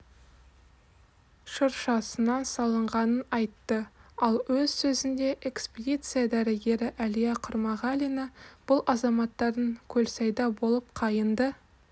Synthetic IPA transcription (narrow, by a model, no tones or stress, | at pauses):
ʃəɾʃɑsənɑnsɑlˠəɴʁɑnənɑjt̪ːəɑlˠwɵzsɵzɪnd̪e̞ʔekspʲed̪ʲit̪sɨjad̪æɾɪɡʲe̞ɾɪʔælijaqʰʊɾmɑʁɑlʲijnɑb̥ʊlˠʔɑzɑmɑt̪ːɑɾd̪əŋkʲʰɵlsɑjd̪ɑbo̞lˠəp̚qʰɑjənd̪ə